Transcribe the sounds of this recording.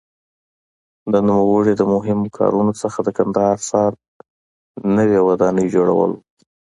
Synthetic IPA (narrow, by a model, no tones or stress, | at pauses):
d̪ənumawəɽid̪əmʊɦɪmokʰɑ̰ɾunot͡səxad̪əkand̪ɑhɑɾsɑɾ | nəwewad̪ɑnəjd͡ʒoɽa̰wə̰l